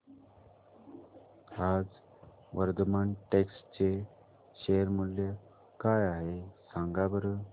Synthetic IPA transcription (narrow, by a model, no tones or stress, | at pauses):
ad͡z | ʋəɾd̪əmaɳʈekst͡ɕe | ɕeəɾmuljə | kajaɦesãŋɡabəɾə